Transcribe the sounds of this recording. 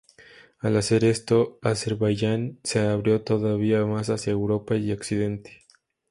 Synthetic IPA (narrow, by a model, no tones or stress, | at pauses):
alase̞ɾe̞st̪o̞ase̞ɾβaʝanse̞aβɾjo̞t̪o̞ðaβiamas̬asjaewɾo̞paioksið̞e̞nt̪e̥